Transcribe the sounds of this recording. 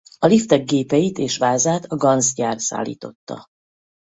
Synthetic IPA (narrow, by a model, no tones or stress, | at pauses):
ɒlift̪ɛɡːeːpɛjit̪eːʃʋaːzaːt̪ɒɡɒnzɟaːrsa̰ːlːḭːt̪o̞t̪ːɒ̰